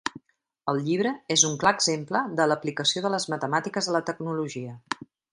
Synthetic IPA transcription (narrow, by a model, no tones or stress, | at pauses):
əlˠʎiβ̞ɾəezuŋklaɡzempləðələplikəsioðələzmət̪əmat̪ikəzðələt̪əɡnuluʒiə